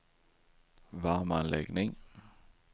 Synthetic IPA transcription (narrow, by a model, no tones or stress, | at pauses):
vaɾmanlʔɛɡnɪŋ